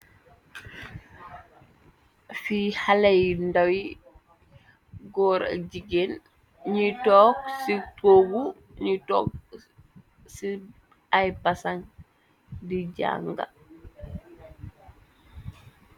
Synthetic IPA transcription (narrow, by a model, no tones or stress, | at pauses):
fihalajndawi | ɡɔːɾa̰ɟiɡen | ɲitɔːk̚sitoɡu | ɲitɔːk̚ | si | ajpasaŋ | diɟa̰ːŋɡa̰